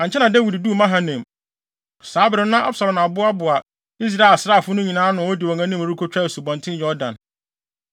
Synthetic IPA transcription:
ã˨ɲ˨t͡ɕʰɛ˦nã˨de˦wi˨ddu˦˨mã˦ɦã˨nɛ̃˨m | saː˨˦bɪ˨ɾɪ̃˦nã˦ʔa̰˦bsa˨lɔ̃˨ma˨bʊ˦a˦bʊ˨a˨ | i˦s̬ɾa˨e˨lsɾaː˦˨fʊ˦nʊ̃˦ɲĩ˨nãː˦nʊ̃˨ɔ˦dɪ˨ɔ˨ŋã˦nĩ˦mo˨ɾu˦kʰo˦t͡ɕᶣa˦˨su˨bɔ̃˨ntʰɪ̃˦njɔ˦dã˨n

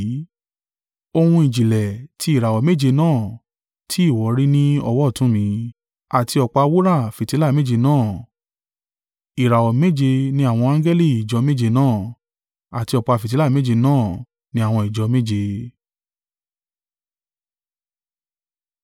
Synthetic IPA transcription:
o˧hũ˧i˨d͡ʒi˨lɛ˨tʰi˧˦i˨ɾa˨wɔ˨˦me˦˨d͡ʒe˧nãː˦˨ | tʰi˨˦i˦˨wɔ˨˦ɾi˦nĩ˦ɔ˧wɔ˦˨tũ˨˦mĩ˨˧˦ | a˨ti˧ɔ˧˨k͡pa˧wu˦ɾa˦˨fi˨ti˨˦la˦˨me˦˨d͡ʒe˧nãː˦˨ | i˨ɾa˨wɔ˨me˦d͡ʒe˧nĩ˧˦a˦˨w̃ɔ̃˧ã˦ɡɛ˦li˦˨i˨d͡ʒɔ˨˧˦me˦˨d͡ʒe˧nãː˦˨ | a˨ti˧ɔ˧k͡pa˧˨fi˨t̬i˨˦la˦˨me˦d͡ʒe˧nãː˦˨ | nĩ˦a˦˨w̃ɔ̃˧i˨d͡ʒɔ˧˦me˦d͡ʒe˧

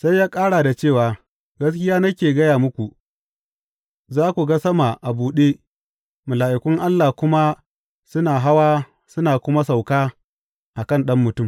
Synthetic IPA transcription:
sa˦jːaː˦kʼaː˦ɽaː˨da˨t͡ʃeː˦˨waː˨ | ɡɐ˦s̬kʲɪ˦jaː˦nɐ˦kʲeː˨ɡɐ˦jaː˨mʊ˦kʷu˨ʔ | zaː˦kʷu˨ɡa˦sɐ˦ma˨ʔa˨buː˨ɗeː˦ | mʊ˨laː˨ʔɪ˨kʷʊ˦ŋʔa˦lːaː˨kʷʊ˦ma˦ | sʊ˦naː˨ɦa˦waː˦ | sʊ˦naː˨kʷʊ˦ma˦s̬a˨wkaː˦ | ʔa˨kɐ˦˨nɗɐ˦mːʊ˨tʊ˦˨m

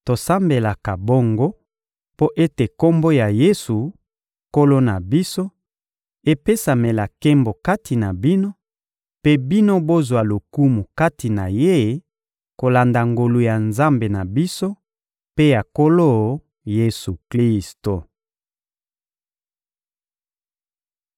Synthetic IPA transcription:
to˨sa˦mbe˨la˨ka˨bo˦ŋɡo˦ | po˦ʔe˦te˨ko˦mbo˦ja˨je˦su˨ | ko˦lo˦na˨bi˦so˦ | e˦pe˦sa˨me˨la˨ke˦mbo˨ka˦tʰi˨na˨bi˦no˦ | pe˦bi˦no˦bo˦zwa˨lo˨ku˦mu˨ka˦ti˨na˨je˦ | ko˨la˨nda˨ŋɡo˨lu˨ja˨nza˦mbe˨na˨bi˦so˦ | pe˦ja˨ko˦lo˦˨ | je˦su˨kli˦sto˨

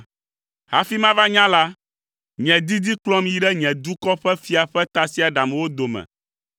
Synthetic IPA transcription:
ɦa˨fi˦mã˦va˦ɲã˦la˦ | ɲɛ̃˨d̪i˦d̪i˦klɔ̃˦m˨ji˨˦ɖɛ˦ɲɛ̃˨d̪u˦kɔ˦ɸɛ˦fi˦a˨ɸɛ˦t̪a˨si˦a˨ɖa˨m˨wo˦d̪o˨mɛ̰̃˨

